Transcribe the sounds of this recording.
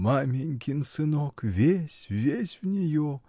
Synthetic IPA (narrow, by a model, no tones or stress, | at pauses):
mamʲeŋkʲʰinsɨnokvʲesʲvʲesʲvnʲejo